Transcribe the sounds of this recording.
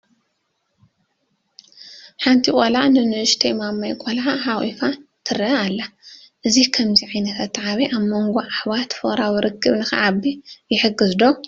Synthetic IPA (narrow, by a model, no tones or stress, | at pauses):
ħant̪ʰikʼolaʕnɨnɨʔʃt̪ʰɐjmamːajkʼolʕaɦawḭfat̪ʰɨɾɐalːa | ʔɨzikʰɐmziʕajnɐt̪ʰat̪ːʕaβiʔaβmoŋɡoʔaħβat̪fɨχʼɾawiɾʔɨkʰːɨβnɨxɐ̰ʕabijɪħɨɡːɨzd̪o